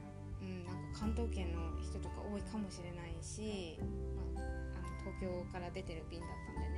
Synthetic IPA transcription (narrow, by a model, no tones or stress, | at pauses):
ɯ̟̃ɴnãŋkakʰãnt̪o̞ːkẽ̞nːo̞çi̥t̪o̞t̪o̞ka̰ʔo̞ːikamo̞ɕiɾe̞naiɕi | maːano̞t̪ʰo̞ːkʲo̞ːkaɾad̪e̞t̪e̞ɾɯ̟bʲĩnd̪at̪ːãnd̪ene